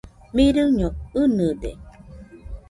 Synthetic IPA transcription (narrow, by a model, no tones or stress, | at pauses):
miɾɯɲoɯnɯd̪ḛ